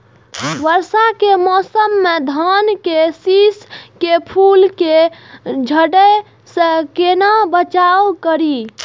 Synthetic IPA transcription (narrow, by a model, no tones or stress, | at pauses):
bəɾsakemɔsəmːed̪ʱənkesiskepʰulke | d͡ʒʱəɽə | sə̃kenabət͡ʃawkəɾi